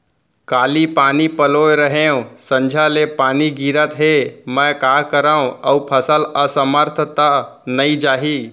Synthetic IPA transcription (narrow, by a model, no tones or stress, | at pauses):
kaːlipaːnipəloːjɾəɦẽõsə̃ɲd͡ʒʱalepaːniɡiɾət̪ɦemə̃kaːkəɾaːũəupʰəsələsəməɾt̪ʰət̪anəid͡ʒaːɦi